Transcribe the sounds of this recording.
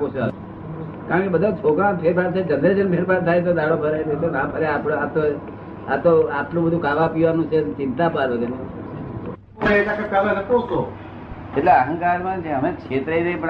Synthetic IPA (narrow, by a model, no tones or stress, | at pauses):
kot͡ʃa | kaɾə̃ɳkebəd̪ʱat͡ʃʰokɾãnpʰeɾpʰaɾt̪ʰed͡ʒəned͡ʒənpʰeɾpaɾt̪ʰajt̪̬od̪aɽobʱəɾaidet̪onãpəɾeapɽat̪o | at̪oapʰlũbəd̪ʱũkaʋapiʋanũt͡ʃʰet͡ʃɪ̃nt̪apaɾot̪ene | eit̪akakaʋanəkoso | eʈleəɦə̃ŋkaɾmãt͡ʃʰẽəmẽkt͡ʃʰet̪ɾəinəĩpə